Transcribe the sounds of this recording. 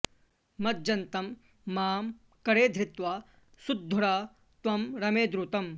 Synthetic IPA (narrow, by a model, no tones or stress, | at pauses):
mɐt̪̚d͡ʒɐnt̪ɐmː | aːm | kɐɾeːd̪ʱɾɪt̪ʋaː | sud̪ʱːuɽaː | t̪ʋɐmɾɐmeːd̪ɾut̪ɐm